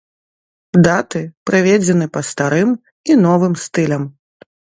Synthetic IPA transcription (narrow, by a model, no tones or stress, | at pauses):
d̪at̪ɨpɾɨvʲed͡zʲɛnɨpɐst̪aɾɨm | inɔvɨmst̪ɨlʲɐm